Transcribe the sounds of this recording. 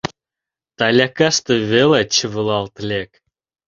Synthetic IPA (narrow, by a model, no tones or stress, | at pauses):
t̪alʲakast̪ɨvʲelˠat͡ɕəvɨlˠalˠt̪lʲek